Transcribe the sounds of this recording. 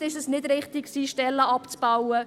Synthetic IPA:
ɪʃəsnɪdɾɪχt̪ɪkksiːʃtɛlːəɑpt͡sb̥awə

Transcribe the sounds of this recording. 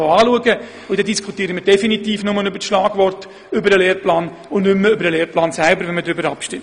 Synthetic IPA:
oaːluəɡə | ʊd̥ɛdiskʰutiːɾəməɾd̥ɛfinitiːfnʊmənʏbətʃlaːɡ̥vʋɔrt | ʏbəɾəleːrplaːn | ʊnʏmːəʏbəɾəleːɾplaːnsælbəɾʋɛnmədɾʏbəɾɑpʃtɪm

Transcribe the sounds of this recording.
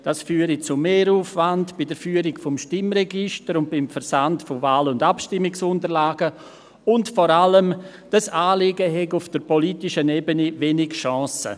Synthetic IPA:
d̥asfyːəɾit͡sumeːɾuːfvandb̥idəɾfyːəɾikfɔmʃtɪmɾɛɡɪʃtəɾʊnt̚b̥ɪmfəɾsantfovaːlʊndapʃtɪmːɪksʊntəɾlaːɡ̥ə | ʊntfɔɾaləm | d̥asaːlɪɡəɦɛɡufd̥əɾpɔlitɪʃənɛbənivenɪɡʃɔ̃ːsə̰

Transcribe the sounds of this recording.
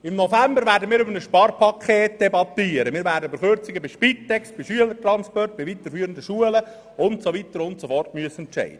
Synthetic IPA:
ɪmnofæmbəɾvæːɾdəmiːɾʏbənəsʃpɑrpʰɑkʰeːt̚d̥ɛbɑt̪ːiːəɾəmiːɾvæːdəbəɾχørt͡sɪɡəbiʃpit̪ːɛkstb̥iʃyələɾtrɑnspɔrt̚b̥ivit̪əɾfyːəɾəndəʃuələ | ʊntsoʋit̪əɾʊntsofɔrtmyəsɛntt͡ʃɛ̰ɪd̥ə

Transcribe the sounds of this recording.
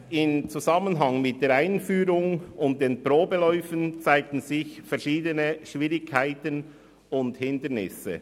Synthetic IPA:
ɪmt͡suzɑmənɦɑŋmɪt̚d̥eːɾaɪnfyːɾʊŋʊnt̚d̥eːnpɾoːbəlɔʏfənt͡saɪk̚tn̩zɪçfɛɐɾʃiːdənəʃʋiːɾɪkʰːaɪtən | ʊnthɪndənɪ̰sə̰

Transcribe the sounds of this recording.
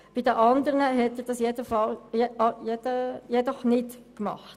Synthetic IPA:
b̥idəʔɑnd̪əɾnəɦɛtəɾd̥ɑsjɛdəfɑljɛɑjɛd̥əjɛdɔχnɪtkmɑ̰χt

